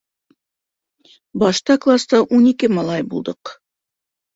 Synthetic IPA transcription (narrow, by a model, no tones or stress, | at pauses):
bɑʃt̪ɑklˠast̪ɑʔunikɘmɑlˠɑjbulˠd̪ɤq